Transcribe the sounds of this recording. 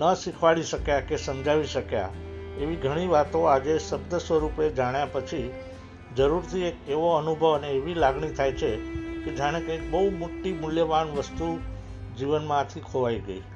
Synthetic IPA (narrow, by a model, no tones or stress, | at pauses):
nəsikʰʋaɭiʃəkjakesəmd͡ʒaʋiʃəkja̰ | eʋiɡʱəɽ̃iʋat̪õad͡ʒesəb̚d̪əsʋəɾuped͡ʒaɽ̃japət͡ʃʰi | d͡ʒəɾuɾt̪ʰiekeʋoənubʱəʋəneːʋilaɡɳit̪ʰajt͡ʃʰeked͡ʒaɽ̃ekəeik̚bəumoʈːimʊljəʋanʋəst̪u | d͡ʒiʋənmãt̪ʰikʰoʋaiɡəi